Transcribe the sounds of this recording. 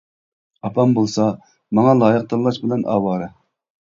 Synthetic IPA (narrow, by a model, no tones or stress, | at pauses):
ɑpʰɑmbolˠsɑ | mɑŋɑlˠɑːjəq̚t̪ʰɑlˠːɑʃbɪlɛnʔɑ̰ːwɑːɾɨ